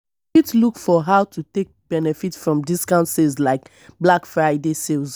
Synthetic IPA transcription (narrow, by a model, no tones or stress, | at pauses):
itlukfɔɦaʊtʰutek̚b̥ɛnɛfitfɹɔ̃mdiskãʊ̃ntsezlaɪk | blakfɹaɪdeselz